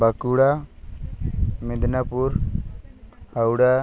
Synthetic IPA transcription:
bakuɽa | mid̪napuɾ | hawɽa

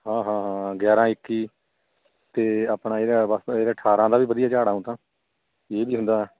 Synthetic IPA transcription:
ɦãːɦãːɦãːɡɛːɾãːɪkːiː | t̪eːaːpɳãːeːɾaːbəseːɾeːʈʰaːɾãːd̪aːʋiːʋəd̪ijaːd͡ʒaːɽaːũt̪ãː | eːbiːɦʊ̃nd̪aːɦɛː

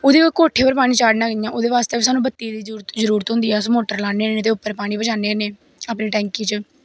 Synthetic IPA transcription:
oːd̪iːkoikoːʈʰːeːpəɾpaːɽĩːt͡ʃaːɖnãːɡəjãːʔoːd̪eːʋaːst̪eːbiːs̬aːnũːbət̪ːiːd̪iːɾt̪zəɾuːɾət̪ɦʊ̃nd̪iːɛːsmoːʈəɾlaːneːnẽːt̪̬eːʊpːəɾpaːɽ̃iːbəd͡ʒaːneːneː | aːpniːʈɛ̃ːŋkiːt͡ʃə

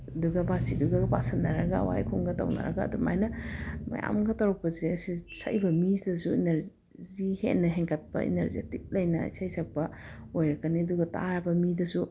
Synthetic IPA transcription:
ɐduɡɐbasiduɡɐpa̰sɐnːɐɾɐɡawa̰jkʰuŋɡɐta̰wnɐ̰ɾɐ̰ɡa̰ːduma̰jnɐma̰ja̰mɡɐtawɾɐk̚pɐzeɐsisa̰jbɐmizdɐsuineɾ | zihḛnːɐɦeŋkʰɐt̚pɐ̰ḭneɾzḛtik̚lɐjnɐ̰sajsʰɐk̚pɐojɾɐkaniɐduɡɐtaɾɐbɐmidɐsu

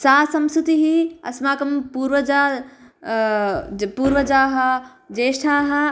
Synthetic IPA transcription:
saːsɐmsut̪iɦiɐ̰smaːkɐmpuɾʋɐd͡ʒaː | puːɾʋɐd͡ʒaːɦɐ | d͡ʒeːsʈʰaːɦɐ

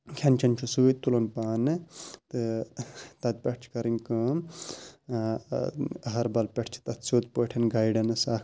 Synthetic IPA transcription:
kʲʰɐnt͡ʃʰɐnt͡ʃʰusuːt̪ulonpaːnɨt̪ɨ | t̪ɐd̪̚pʲeʈ̚ʰt͡ʃʰkɐɾiŋʲkɨm | ɐɦɐɾbɐlpʲɐʈʰt͡ʃʰi̥t̪ɐt̪soːt̪poːʈʰɐnɡajɖɐnɨsaːk

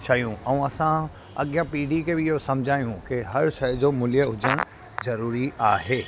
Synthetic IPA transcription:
ʃʰɐjũɛ̃ũɐsã | ɐ̰ɠjãpiːɖikebɪɪɦosɐ̃md͡ʑʱaːjũkɪɦɐɾʃɐɦd͡ʑomʊlijəɦʊd͡ʑəɽ̃ | zɐɾuːɾiaːɦeː

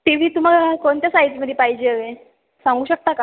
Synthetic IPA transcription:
t̪iʋ̤iːt̪um̤aɡakoɳt̪jasaɦit͡sməd̪ʱepaɦid͡ʑeəʋe | sãŋɡuːɕək̚t̪aka

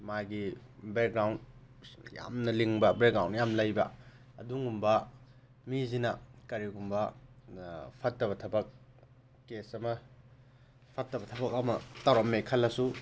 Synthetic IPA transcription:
maɡibek̚ɡɾawn | ja̰mnɐliŋbɐbekɡɾawnːjamlɐjbɐ | ɐ̰duŋɡumbɐ | mizinɐkɐɾiɡumbɐ | pʰɐtːɐβɐtʰɐbɐk̚ː | esɐmɐ | pʰɐtːɐbɐtʰɐbɐk̚ɐmɐtawɾɐmːekʰɐlːɐsu

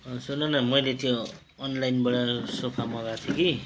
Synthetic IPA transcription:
ʌsunːʌnʌmʌjlet̪ʰjoː | nlajnbʌɽʌsopʰamʌɡat̪ʰjoki

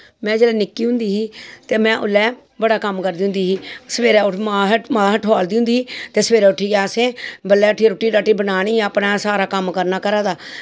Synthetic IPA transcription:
mɛ̃ːd͡ʒeːlɛːnɪkːiːɦʊ̃nd̪iːɦiːt̪eːmɛ̃ːʔʊ̰lːɛː | bəɽaːkəmkəɾd̪iːɦʊnd̪iːɦiːsəʋeːɾɛːʊmãːɦmaːɦəʈʰoːld̪iːɦʊnd̪iːiːt̪eːsəʋeːɾɛːʊʈʰːiːɡɛːsẽːbəlːɛːʊʈʰːiːɾoːʈːiːɾaːʈiːbənaːɽ̃iːəpnaːsaːɾaːkəmkəɾnaːkəɾaːd̪aː

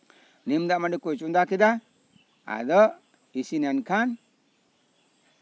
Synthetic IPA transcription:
nimd̪aʔmaɖikujt͡ʃund̪akid̪a | a̰d̪ɔ | isinɛnkʰan

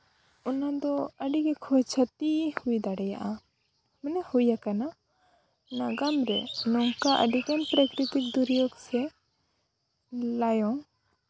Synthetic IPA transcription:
ɔnad̪ɔəɖiɡɛkʰɔt͡ʃʰət̪ihujd̪aɽɛja̰ʔa | mənɛhujakana | naɡamɾɛ̰nɔŋkaʔə̰ɖiɡɛnpɾəkɾit̪ik̚d̪uɾijɔɡsɛ | lajɔŋ

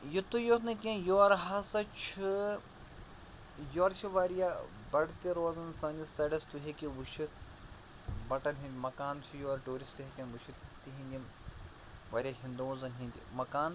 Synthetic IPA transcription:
jit̪ujot̪nɨkʲẽjoːɾɦɐsɐt͡ʃʰi | joːɾt͡ʃʰiʋaɾja | bɐɽt̪iɾoːzɐnsɐnʲd͡ʒisɐɽɐst̪uɦekiʋuʃit̪ | bɐʈɐnɦĩnd̪ʲimɐkaːnt͡ʃʰijoːɾʈuːɾisʈ̪ɦekʲɐ̃nʋuʃʰit̪iɦĩnd̪ʲi | ʋaːɾʲijaɦĩnd̪oːzɐnɦĩnʲd̪ʲḭmɐkaːn

